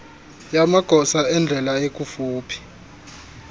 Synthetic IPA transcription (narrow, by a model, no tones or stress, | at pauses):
jamaɡ̥ʱɔsaɛnd͡ɮʱɛlaek̬ʼufuːpʰi̥